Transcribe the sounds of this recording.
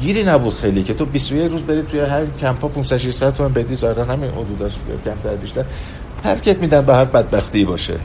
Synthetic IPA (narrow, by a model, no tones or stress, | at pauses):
ɡiːɾiːnæbuːd̪̥xejlicʰe̞t̪ʰobist̪ojecʰɾuːzbe̞ɾit̪ʰujeɦæmincʰæmpʰɒːpʰunsæd̪ʃ̬iʃsæd̪t̪ʰːomæmbed̪iːzɒːeɾænhæmino̰d̪uːd̪ɒʃcʲʰæmt̪ʰæɾbiʃt̪æɾ | t̪ʰæ̰ɾcʰet̪̚miːd̪ænbæɦæɾbæd̪̚bæxt̪ʰibɒːʃḛ